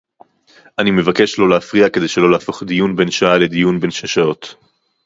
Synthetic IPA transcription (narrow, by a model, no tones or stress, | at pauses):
ʔanime̞vake̞ʃlo̞leafʁiake̞d̪e̞jʃelo̞laːfo̞χd̪ijunbe̞nʃaale̞d̪ijunbe̞nʃaʃao̞t̪